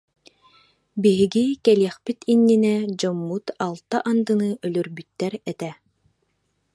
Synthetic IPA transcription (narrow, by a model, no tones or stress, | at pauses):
biɦiɡikɛliɛχpit̪ʰinːinɛd͡ʑɔmːut̪alˠt̪aʔand̪ɯnɯʔœlœɾbyt̪ːɛɾɛt̪ɛ